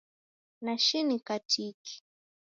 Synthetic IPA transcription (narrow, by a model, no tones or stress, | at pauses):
naʃɪnɪkat͡ʃijki̥